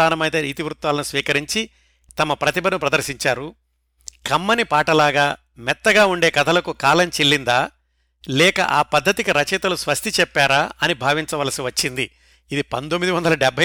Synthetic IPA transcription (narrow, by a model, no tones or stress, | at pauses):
aːnɐmɐjt̪eːiːt̪iʋɾut̪ʋaːlɐnusʋiːkɐɾiɲt͡ʃi | t̪ɐmɐpɾɐt̪ibʱɐnupɾɐd̪ɐɾʃiɲt͡ʃaːɾu | kɐmːɐnipaːʈɐlaːɡaː | mɛt̪ːɐɡaːuɳɖe̞ːkɐt̪ʰɐlɐkukaːlɐɲt͡ʃelːind̪aː | lɛːkɐ̰ʔaːpɐd̪ʱːɐt̪ikiɾɐt͡ʃɛːt̪ɐlusʋɐst̪ʰit͡ʃɛpːaːɾaːɐnibʱaːʋiɲt͡ʃɐʋaːlɐsiʋɐt͡ʃːind̪iː | d̪ipɐnt̪omːid̪iʋɐnd̪ɐlɐɖɛbʱɐ